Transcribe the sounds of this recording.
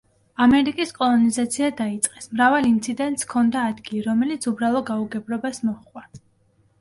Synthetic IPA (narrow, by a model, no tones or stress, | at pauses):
amɛɾikʼiskʼɔlˠɔnizat̪sʰiad̪ait̪sʼqʼɛsmɾavalint̪sʰid̪ɛnt̪ʼskʰɔnd̪aːd̪ɡiliɾɔmɛlit̪sʰubɾalˠɔd̪̚ɡauɡɛbɾɔbasmɔχʼwa